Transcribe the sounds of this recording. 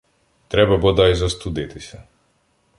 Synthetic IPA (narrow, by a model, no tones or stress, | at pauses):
t̪ɾɛbabɔd̪aizast̪ud̪ɛt̪isɛ